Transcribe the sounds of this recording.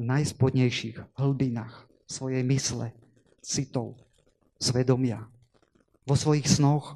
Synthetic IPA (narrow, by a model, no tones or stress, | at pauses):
najspɔd̪ɲɛjʃiɣɦl̩binaːx | sʋɔjɛjmislɛ̰ | t͡sit̪ɔʊ | sʋɛd̪ɔmɪa | ʋɔsʋɔjixsnɔx